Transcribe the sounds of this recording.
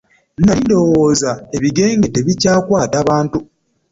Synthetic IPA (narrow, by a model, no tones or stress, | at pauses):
naindo̞woːzae̞βiɡe̞ːŋɡe̞te̞βicaːkwaːtaβaːntu